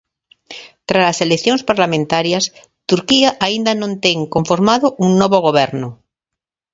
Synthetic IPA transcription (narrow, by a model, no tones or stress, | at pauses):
t̪ɾaaseleθjõŋspaɾlamẽnt̪aɾjas | t̪uɾkiaʔaind̪anõnt̪eŋkoɱfoɾmaðoʔuŋnoβoɣoβ̞eɾno